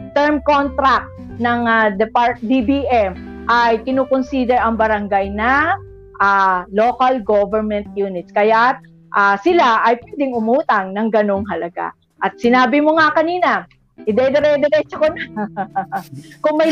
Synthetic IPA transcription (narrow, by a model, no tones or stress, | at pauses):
t̪ɛɹmkont̪ɾak̚t̪nɐŋad̪ɛpaɹt̪̚d̪ibiʔɛmʔajkɪnuːkonsiːd̪ɛɾʔɐŋbɐɾɐŋɡajnɐ | ʔaːloːkɐlɡovɛɹmɛnt̪̚juːnɪt̪̚skɐjat̪̚ | ʔasɪlaʔɐjpwɛd̪ɪŋʊmuːt̪ɐŋnɐŋɡɐnoŋɦɐlɐɡa̰ | ʔɐt̪̚sɪnaːbɪmoŋakɐniːnɐ | ʔɪd̪ɛd̪ɛɾɛd̪ɛɾɛːt͡ʃokɐna | kʊŋmɐj